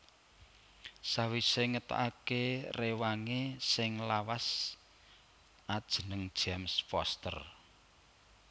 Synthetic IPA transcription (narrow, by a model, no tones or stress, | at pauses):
sawiseŋət̪a̰ʔakerewaŋesɪŋlawas | ad̥ʒ̥ənəŋd̥ʒ̥amspɔst̪ə̰r